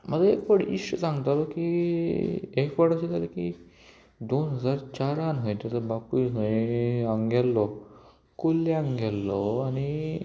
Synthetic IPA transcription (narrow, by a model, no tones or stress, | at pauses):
m̤əlaekfəɽḭəsãŋɡt̪alɔki | ekfəɽəɕit̪ʰaleki | d̪onɦəd͡zaɾt͡ɕaɾanɦɔjt̪at̪əbapuɦ | aŋɡɛlːɔ | kulːiaŋɡɛlːɔani